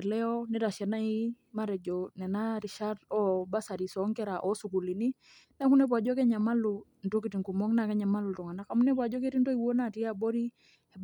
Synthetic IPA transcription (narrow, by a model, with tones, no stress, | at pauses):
lɛ˦ɔ˦nɛ˦ɾa˨ʃɛ˨na˦i˦ | ma˦ɾɛ˨d͡ʒɔ˨nɛ˨na˦ɾi˨ʃa˦dɔ˦ba˦sa˨ɾi˨sɔ˨˦ŋkɛ˦ɾa˨ʔɔ˦su˨ku˨li˨ni˦ | na˦ku˦nɛ˦p̬wa˨d͡ʒɔ˦kɛ˦ɲa˨ma˦lu˨ | n̩˨to˦ki˨ti˨ŋku˨mɔ˦ŋna˨kɛ˦ɲa˨ma˦lu˨tɔ˨ŋa˨na˦ka˨mu˦nɛ˦p̬wa˨d͡ʒɔ˦k̬ɛ˦ti˦ntɔ˦i˨wo˦na˨ti˦a˦bɔ˦ɾi˦ | ɛ˨